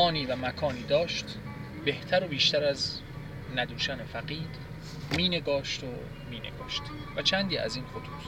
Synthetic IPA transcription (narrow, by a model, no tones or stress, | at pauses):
ɒːniːvæmækʰɒːniːd̪ɒːʃt̪ | be̞ht̪ʰæɾo̞biːʃt̪æɾæz | næd̪uːʃæne̞fæqiːɾ | miːne̞ɡɒːʃt̪o | miːne̞̰ɡɒ̰ːʃt̪væt͡ʃʰænd̪iːʔæ̰ziːnxot̪ʰuːs